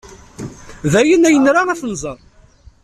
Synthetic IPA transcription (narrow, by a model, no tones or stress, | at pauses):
ðæjənæjənɾaʁæθnzˤəɾˤ